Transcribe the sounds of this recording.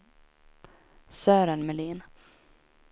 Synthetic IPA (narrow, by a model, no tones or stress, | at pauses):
sœːɾəɳmɛliːn